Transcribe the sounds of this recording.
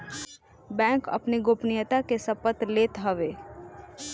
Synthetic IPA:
bɛ̃ːŋkɐ̰pniɡoːpnɪjət̪akesəpət̪leːt̪ɦəʋeː

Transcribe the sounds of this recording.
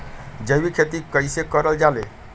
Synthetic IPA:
d͡ʒəbikʰet̪ikəjsekəɾəld͡ʒalḛ

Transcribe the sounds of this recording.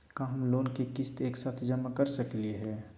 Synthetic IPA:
kãːɦmloːnkekɪst̪eːksaːt̪ʰd͡ʒɐmakəɾsəklieɦɛː

